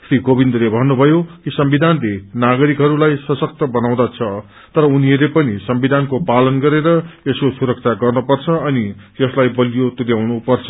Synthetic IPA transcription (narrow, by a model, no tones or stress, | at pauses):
sriɡobind̪ʌlebʱʌnːubʱʌjokisʌmbid̪ʱanlenaɡʌɾikɦʌɾulajsʌsʌk̚t̪ʌbʌnaw̃d̪at͡sʰʌ | t̪ʌɾʌuniʌɾepʌnisʌmbid̪ʱankopalʌnɡʌɾeɾʌeskosuɾʌk̚t͡sʰaɡʌrnupʌrt͡sʰʌʌnijʌslajbʌlijot̪udjawnupʌrt͡sʰʌ̥